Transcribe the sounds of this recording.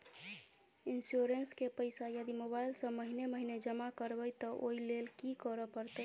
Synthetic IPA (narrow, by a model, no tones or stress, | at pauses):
insjoɾenskepəɪsajəd̪imobailsə̃məɦineməɦined͡ʒəmakəɾbəjt̪ɔʔoilelkikəɾəpəɾt̪ə